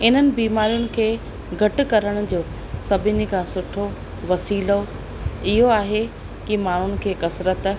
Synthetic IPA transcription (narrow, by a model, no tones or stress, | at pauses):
ɪn̤ənɪ̆biːmaːɾijʊnɪ̆kʰeː | ɡʱɐʈɪ̆kɐɾəɽ̃ʊ̆d͡ʑoː | sɐbʱɪnĭkʰãːsʊʈʰo | ʋɐsiːlo | ɪɦoaːɦe | kɪmaːɳ̤ʊnɪ̆kʰeːkɐsɾət̪